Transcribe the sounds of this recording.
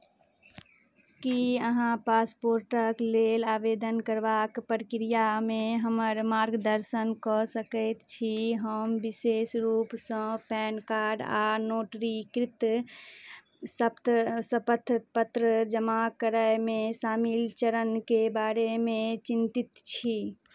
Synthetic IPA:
kiəɦãpaspoɾʈəklelaːbed̪ənkəɾbakpɾkɾijameɦəməɾmaɾɡd̪əɾsənkɔsəkəɪt̪t͡ʃʰiɦəmbisesɾupsə̃pɛnkaɾɖanoʈɾikɾit̪ | səpt̪səpət̪ʰpət̪ɾəd͡ʒəmakəɾəjmesamilt͡ʃəɾənkebaɾemet͡ʃint̪it̪t͡ʃʰi

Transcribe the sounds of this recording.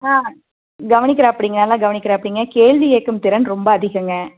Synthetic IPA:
aː | ɡɐʋɐnɪk̬ːɪɾɐːpːɐɽiŋɡɐnɐːlãːɡɐʋɐnɪkːɪɾɐɐpːɐɽiŋɡɐkeːɭʋijeːkːɯmt̪ɪɾɐnɾɔmbɐɐðɪɣɯŋɡɐ

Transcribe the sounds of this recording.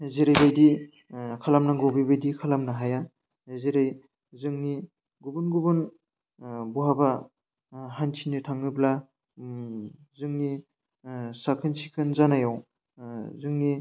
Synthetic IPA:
zeɾajɾajdi | kʰalamnaŋɡobibadikʰalamnaɦaja | zeɾaj | zɯŋni | ɡubunɡubɯn | buɦaba | ɦant͡ʃʰinitʰaŋɯbla | zɯŋni | sakʰɯnsikʰɯnzanajaw | zɯŋni

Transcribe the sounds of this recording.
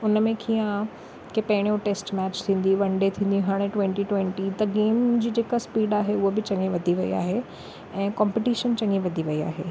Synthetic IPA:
ʊnəmẽkʰijã | kepɐɦɪɽ̃ijõʈeːsʈmɛːt͡ɕt̪ʰĩːn̆d̪iʋɐ̃ɳɖet̪ʰĩːnd̪ĩɦaːɽ̃ẽʈwẽɳʈiʈwẽɳʈit̪ɐɡeːmd͡ʑiːd͡ʑeːkaspiːɖaːɦeʊɦobɪt͡ɕɐ̃ŋɡẽʋɐd̪ʱiʋɐḭa̰ːɦe | ɛ̃ːkãːmpɪʈiːʃənt͡ɕɐ̃ŋɡĩʋɐd̪ʱiʋɐia̰ːɦeː

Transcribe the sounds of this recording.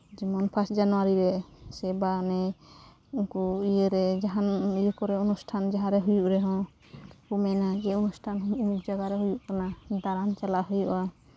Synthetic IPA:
d͡ʒimɔnpʰasd͡ʒanuaɾiɾɛsɛbanɛ | uŋkuijeɾɛd͡ʒaɦanijukɔɾɛunusʈʰand͡ʒaɦãɾɛɦujuʔɾɛɦɔ̃ | pumɛnaɡɛunusʈʰanɦumukd͡ʒaɡaɾɛɦujuʔkanad̪aɾant͡ʃalaʔɦujuʔa

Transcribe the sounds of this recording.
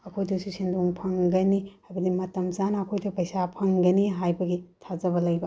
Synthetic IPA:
ɐkʰojdɐsisinduŋpʰɐŋɡɐnihajbɐdimɐtɐmzanɐɐkʰojtɐpɐjsapʰɐŋɡɐniɦajbɐɡitʰazɐbɐlɐjbɐ

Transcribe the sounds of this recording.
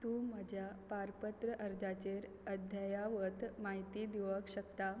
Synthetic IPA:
t̪uːm̤əd͡ʑjapaɾpət̪ɾəʔəɾd͡ʑat͡ɕeɾ | əd̪ʱjajaʋət̪maɦit̪iːd̪iʋəkɕəkt̪a

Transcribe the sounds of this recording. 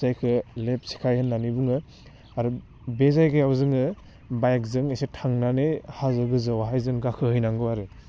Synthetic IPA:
ajkʰɯlep̚sʰi̥kʰajhɯnːanibuŋɯ | aɾu | bezajɡɯjawzɯŋɯ | bajk̚zɯŋesetʰaŋnanehazɯɡɯzɯwaɦajzɯŋɡakʰɯhɯjnaŋɡɯwaɾɯ

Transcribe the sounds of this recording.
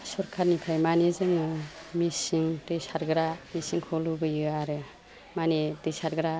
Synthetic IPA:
suɾkʰaɾnikʰajmanezɯŋɯmisiŋtɯjsaɾɡɯɾamisiŋkʰɔlubɯjɯaɾɯ | manetɯjsaɾɡɯɾa

